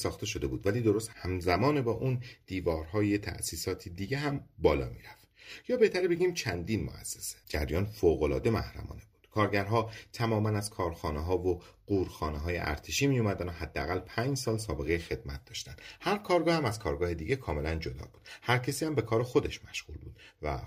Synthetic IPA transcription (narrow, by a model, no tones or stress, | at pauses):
sɒːxt̪e̞ʃo̞d̪e̞buːd̪væliːd̪o̞ɾost̪hæmzæmɒːnebɒːʔund̪̥iːvɒːɾɦɒːjet̪ʰæ̰ʔsiːsɒːt̪ʰid̪iɟeɦæmbɒːlɒ̰ːmiɾæft̪jɒːbe̞ht̪ʰæɾbe̞ɟiːmt͡ʃʰænd̪iːnmo̰ʔæ̰sːe̥se̥d͡ʒæ̰ɾjɒːnfoːɣolɒ̰ːd̪e̞mæhɾæ̰mɒ̰ːne̞bu̥d̪̥kʰɒːɾɟæɾɦɒːt̪ʰæmɒːmænæzkʰɒːɾxɒːneɦɒːvoɢ̥uːɾxɒːneɦɒːjḛʔæ̰ɾt̪ʰeʃiːmijomæd̪ænohæd̪ːeæ̰ɣælpʰæːɲd͡ʒsɒːlsɒːbe̞ɣe̞jexe̞d̪̚mæt̪̚ʰd̪ɒːʃt̪ænd̪̥hæɾkʰɒːɾɡɒːhæmæz̥kʰɒːɾɡɒːhed̪iːɟe̞kʰɒːme̞lænd͡ʒo̞d̪ɒ̰ːbuːd̪̥hæɾcʰesiːæmbe̞kʰɒːɾexo̞d̪e̞ʃmæʃɣṵːlbuːd̪̥̚væ̰